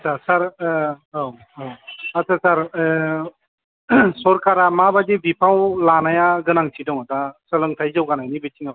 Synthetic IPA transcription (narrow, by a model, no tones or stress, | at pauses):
sʰasaɾ | aw | awatʰasaɾ | sɔɾkaɾamabadibipʰawlanajaɡɯnaŋsʰidɔŋatasəlɯŋtʰajzawɡanajnibɯtʰiŋab